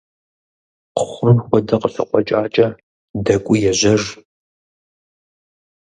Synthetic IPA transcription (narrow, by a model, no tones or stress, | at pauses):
qʰʊ̥χʷrʊmxʷɔdɐqəɬɐ̰qʷɔt͡ʃʼaːt͡ʃʼɐ | dɐkʷʼʊjɛʑɐʐ